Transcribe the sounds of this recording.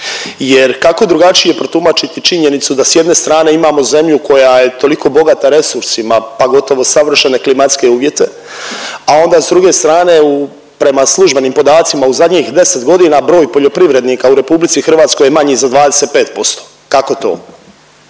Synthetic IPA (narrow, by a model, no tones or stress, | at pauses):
jeɾkako̞d̪ɾuɡat͡ʃije̞pɾot̪umat͡ʃit̪it͡ʃiɲe̞nit̪sud̪asje̞d̪ne̞st̪ɾaːne̞imaːmo̞ze̞mʎuko̞jaje̞t̪o̞likʰo̞ːbo̞ɡat̪aɾe̞suɾsimapaɡo̞t̪o̞ʋo̞saʋr̩ʃene̞klimat̪ske̞uːʋje̞t̪e̞ | ao̞nd̪aːzd̪ɾuɡe̞st̪ɾaːne̞u | pɾe̞maslˠuʒbe̞niːmpo̞d̪aːt̪simauzad̪ɲiːxd̪e̞set̪ɡo̞d̪inaːbɾo̞ːjpo̞ʎo̞pɾiʋɾe̞d̪nikauɾe̞publit̪sixr̩ʋaːt̪sko̞jemaɲizad̪ʋaːd̪eseːt̪̚pe̞ːt̪̚po̞st̪o̥ː | kako̞t̪o̞̰ː